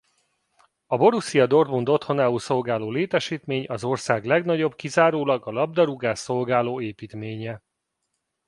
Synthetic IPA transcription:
ɒbo̞ɾusijɒd̪o̞rd̪mund̪o̞t̪ho̞naːulso̞lɡaːloːleːt̪ɛʃiːt̪meːɲɒzo̞rsaːɡlɛɡnɒɟo̞bkizaːɾoːlɒɡɒlɒb̚d̪ɒɾuɡaːsːo̞lɡaːloːeːpiːt̪meːɲɛ

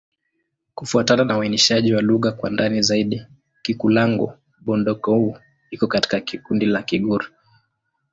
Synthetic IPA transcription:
kufuatananawainiʃaʄiwaluɣakwa̰ndanizaiɗi | kikulaŋɡɔ̰ | ɓɔndɔkɔhu | ikɔkati̥kakikundilakiɠuɾi

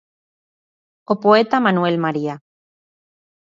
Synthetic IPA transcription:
opoet̪amanuelmaɾia

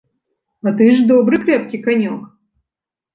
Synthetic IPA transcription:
ɐt̪ɨʐd̪obɾɨkɾʲɛpkʲɪkɐnʲok

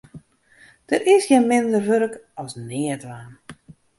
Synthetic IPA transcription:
d̥ərʔɪsjɛnmɪndərʋøɾəkɔsnɪətʋan

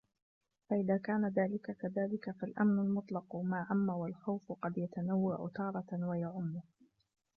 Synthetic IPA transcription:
faʔɪðaːkaːnaðaːlɪkakaðaːlɪkafalʔa̰mnʊlmʊt̪ˤlɑqʊmaːʕamːawalxawfqɑd̪jat̪anawːaʕʊ̰t̪ɑːɾˤɑwajaʕʊmːʊh

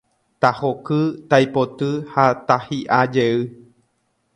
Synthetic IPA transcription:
t̪ahokɨt̪ajpot̪ɨhat̪ahiʔad͡ʒeɨ

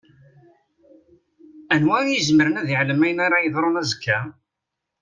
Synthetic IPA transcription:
ænwæɾæjəzməɾənæðiʕləmæjnaɾɑjəðˤɾˤonæzəkʰːæ

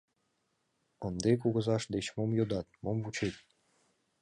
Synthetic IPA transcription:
ənd̪ek̬uɣə̆zɑʃd̪et͡ɕmomjod̪ɑt̪̚momvut͡ɕet̪̚ʲ

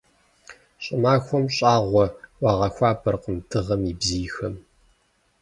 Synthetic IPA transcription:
ɕʼɪmaːxʷɔmɕʼaːʁʷɔwɑːʁɐxʷaːpʰɐrqəmtʰɨʁɐmibzijxɐm

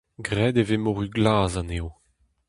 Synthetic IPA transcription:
ɡʁɛd̪evemɔʁyɡlaːzaneo

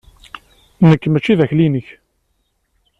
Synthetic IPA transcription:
nəkːmæt͡ʃːiðæçlinəç

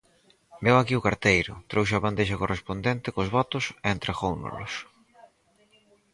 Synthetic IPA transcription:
bewakiʊkaɾt̪ejɾʊ̰t̪ɾows̬eaβand̪eʃ̬akorʔespond̪ent̪ɪkozβɔt̪ʊseent̪ɾeɣownʊ̰lʊ̰s

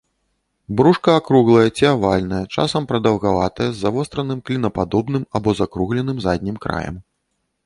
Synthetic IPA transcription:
bɾuʂkɐakɾuɣlˠɐjɐt͡sʲiavalʲnɐjɐt͡ʂa̰sɐmpɾɐd̪ɐwɣavat̪ɐjɛzːavɔst̪ɾɐnɨmklʲinɐpad̪ɔbnɨmabɔzakɾuɣlʲɛnɨmzad̪ʲnʲimkɾa̰jɐ̰m

